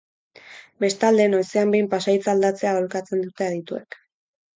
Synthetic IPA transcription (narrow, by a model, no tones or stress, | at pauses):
be̞st̪ald̪e̞no̞seambe̞jmpasajt͡saːld̪at͡se̞aolkat͡se̞nd̪ut̪e̞aðit̪ue̞̰k